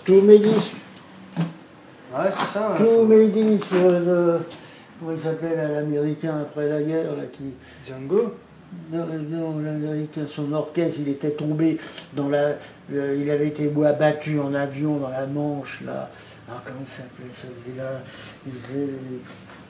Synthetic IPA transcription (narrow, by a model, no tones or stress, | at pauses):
t̪umed̪is | wɛsɛsat̪umed̪isələ | kɔmɑ̃ilsaplɛllameʁikʲɛ̃apχɛlaɡʲɛʁlakʲi | d͡ʒãŋɡo | nɔ̃evid̪amɑ̃lameʁikʲɛ̃sɔ̃nɔʁkɛst̪ilet̪ɛt̪ɔ̃bed̪ɑ̃la | əilavɛet̪ebwabat̪yɑ̃navjɔ̃d̪ɑ̃lamɑ̃ʃla̰ | ɔʁkɔmɑ̃ilsaplɛsəvilailzɛ